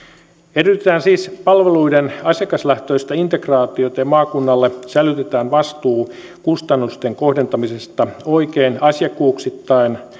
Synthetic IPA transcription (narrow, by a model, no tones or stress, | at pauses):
eryt̪et̪æːnsiːspɑlʋeluidenɑsjɑkɑslæht̪øist̪ɑint̪ekrɑːt̪iot̪ɑjɑmɑːkunːɑlːesælyt̪et̪æːnʋɑst̪uː | kust̪ɑnːust̪eŋkohde̞nt̪ɑmisest̪ɑoikeːnɑsjɑkːuːksit̪ːɑin